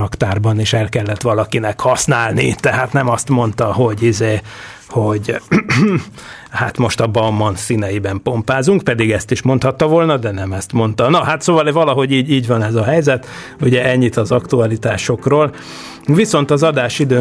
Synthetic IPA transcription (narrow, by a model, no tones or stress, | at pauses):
ɒkt̪aːrbɒniʃɛlkɛlːɛt̪ʋɒlɒkinɛkhɒsnaːlnḭt̪ɛɦaːt̪nɛmɒst̪mo̞nt̪ɒɦo̞ɟizeː | ho̞ɟ | ha̰t̪mo̞ʃt̪ɒbɒmːɒnsinɛjibɛmpo̞mpaːzuŋkpɛd̪iɡɛst̪iʃmo̞nt̪hɒt̪ːɒvolnɒd̪ɛnɛmɛst̪mo̞nt̪ɒnɒɦat̪soːvɒlvɒlɒɦo̞ɟiːɟiːɟʋɒnɛzɒɦɛjzɛt̪ | uɟɛɛɲːit̪ɒzɒkt̪uɒlit̪aːʃo̞kroːl | viso̞nt̪ɒzɒd̪aːʃid̪øː